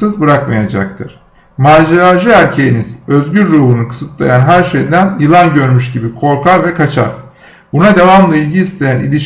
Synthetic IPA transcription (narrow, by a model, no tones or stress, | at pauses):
ɯzbɯɾakma̰jad͡ʒa̰k̚t̪ʰɯɾ̥ | maːd͡ʒeɾaʒɯæɾcʰe̞jiniz̥ø̞zɟyɾːuːhunukɯ̥sɯt̪lˠa̰janɦæɾʃejd̪ænjɯlˠanɟø̞ɾmyʃɟibikʰo̞ɾkaɾvɛkʰat͡ʃʰa̰ɾ̥ | bunad̪evamlˠɯilʲɟiːst̪ʰe̞jænḭlʲiʃ